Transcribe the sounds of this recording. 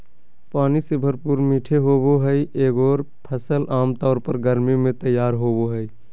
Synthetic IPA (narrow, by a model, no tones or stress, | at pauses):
paːnisɪbʱəɾpuːɾmiːʈʰeɦoːboɦəiʔeːɡɔːɾ | pʰəsəlʔaːmt̪ɔːɾpəɾɡəɾmimẽt̪əjːaːɾɦoːboɦəi